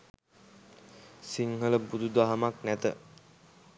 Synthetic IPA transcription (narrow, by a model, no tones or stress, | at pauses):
siŋɦələbud̪ud̪aɦamaknæt̪ə̰